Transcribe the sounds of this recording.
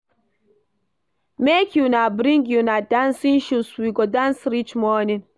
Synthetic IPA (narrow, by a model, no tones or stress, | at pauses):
mekʰjunabɾĩŋɡjunadãnsĩnʃuswiɡodãnsɾit͡ʃmɔnĩn